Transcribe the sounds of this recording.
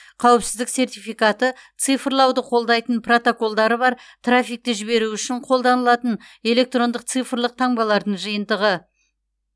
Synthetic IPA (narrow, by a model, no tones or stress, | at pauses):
qʰɑwpsɪzd̪ɪkse̞rt̪ijfijkɑt̪ət̪sɨjfəɾlˠɑwd̪əqʰo̞lˠd̪ɑjt̪ənpro̞t̪o̞ko̞lˠd̪ɑɾəβɑɾt̪rafʲijk̚t̪ɪʒɪβe̞ɾuʏʃɪɴqʰo̞lˠd̪ɑnəlˠɑt̪əne̞le̞k̚t̪ro̞nd̪əq̚t̪sɨjfrlˠəq̚t̪ʰɑɴbɑlˠɑɾd̪əɴʒɨjənd̪əʁə